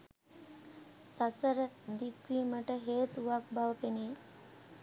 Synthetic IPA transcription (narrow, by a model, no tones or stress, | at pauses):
sasəɾəd̪ikʋiːməʈəɦeːt̪uʋak̚bʱaʋəpeneː